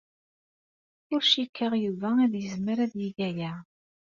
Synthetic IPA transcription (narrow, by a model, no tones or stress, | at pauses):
ʊɾʃikʰːəʁjuvææðjəzməɾæðjiɡæjæ